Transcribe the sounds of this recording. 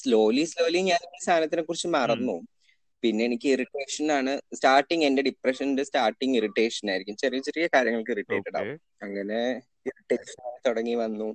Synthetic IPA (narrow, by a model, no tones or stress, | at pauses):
slo̞ːlislo̞ːliɲaːniːst̪ʰaːnɐt̪ːinekːurit͡ɕːɨmɐrɐnːu | pinːe̞enikʲːɨiriʈːe̞ːʂɐnaːɳɨstaːrʈːiŋɡe̞nde̞ɖiprɐʂɐnndestaːrʈːiŋɡiriʈːe̞ːʂɐnaːjiɾikʲːumt͡ɕɐriʋit͡ɕːiɾɨkʲːɐkaːɾjɐŋːɐɭkɨriʈːeːʈːeɽa̰ːʋum | ɐŋːɐne̞ | iriʈːeːʂɐnaːnt̪oɽɐŋːiʋɐnːu